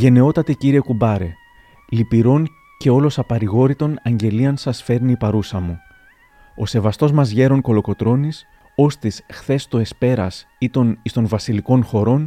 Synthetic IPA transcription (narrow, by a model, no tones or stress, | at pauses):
ʝe̞ne̞o̞t̪ɐt̪eciɾie̞kubɐɾe̞ | lipiɾo̞n | ce̞o̞lo̞sɐpɐɾiɣo̞ɾit̪o̞nɐɲɟe̞liɐnsɐsfe̞ɾniːpɐɾusɐmu | o̞se̞vɐst̪o̞zmɐzʝe̞ɾo̞ŋko̞lo̞ko̞t̪ɾo̞nis | o̞st̪isxθe̞st̪oe̞spe̞ɾɐsit̪o̞nist̪o̞nvɐsiliko̞nxo̞ɾo̞n